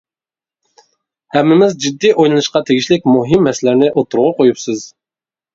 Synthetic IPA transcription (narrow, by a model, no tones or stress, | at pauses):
hɛmːɪmɪzd͡ʒid̪ːiʔojlˠɨnɨʃqɑt̪ʰeɡʲiʃlɪk̚ʲmuɦɨmːɛsɪlɪɾnɪʔot̪ʰuɾʁʊqʰojupsɨz